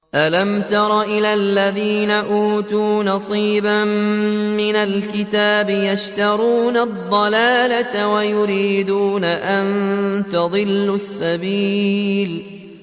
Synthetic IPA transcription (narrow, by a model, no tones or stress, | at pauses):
ʔalamt̪ɑɾˤɑʔɪlalːaðiːnaʔuːt̪uːnɑsˤiːbammɪnalkɪt̪aːbɪjaʃt̪ɑɾˤuːnad̪ˤːɑlaːlat̪awajʊɾiːd̪uːnaʔant̪ɑðˤɨlːʊsːabiːl